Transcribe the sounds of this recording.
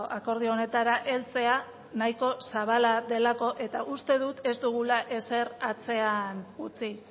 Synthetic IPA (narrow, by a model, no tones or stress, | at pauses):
ako̞ɾð̞io̞ne̞t̪aɾaʔe̞lt͡se̞a | naiko̞saβ̞alaðe̞lako̞ʔe̞t̪aʔust̪e̞ðut̪e̞zd̪uɣ̞ulaʔe̞se̞rat͡se̞anut͡si